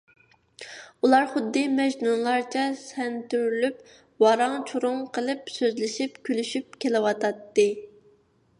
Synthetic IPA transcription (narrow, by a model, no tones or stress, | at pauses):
ulˠɑɾχʊd̪ːɨmɛʒnunlˠɑɾt͡ʃʰɛsɛnt̪yɾlyp | wɑɾɑŋt͡ʃʰuɾʊŋqʰəlˠɨpsøzlɪʃipkʲʰylyʃyp̚kʲʰelɪwɑt̪ʰɑt̪ːɨ